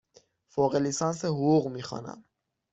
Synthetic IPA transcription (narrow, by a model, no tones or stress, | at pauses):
fɔʁɛlisɑnsəɦuːʁmiχɑ̰nɑ̰m